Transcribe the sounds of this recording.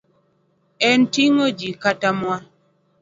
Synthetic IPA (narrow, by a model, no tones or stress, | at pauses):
ɛntiŋod͡ʒikatamwa